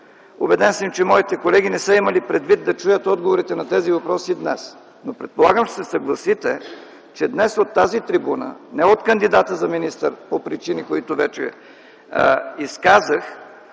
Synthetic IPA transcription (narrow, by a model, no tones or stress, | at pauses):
ʊbɛd̪ɛnsəmt͡ʃɛmɔit̪ɛkolɛɡ̟ʲinɛsɤimɐlipɾɛd̪vid̪d̪ɐt͡ʃujət̪ɔd̪ɡovoɾit̪ɛnɐt̪ɛzivɐpɾɔsid̪nɛs | nopɾɛt̪̚polˠaɡəmʃɛ̥sɛsɐɡlˠɐsit̪ɛ | t͡ʃɛd̪nɛsot̪ːazit̪ɾibunə̰nɛot̪kɐnd̪id̪at̪əzɐminist̪əɾpopɾit͡ʃinikoit̪ʊvɛt͡ʃɛ̰ | iskazəx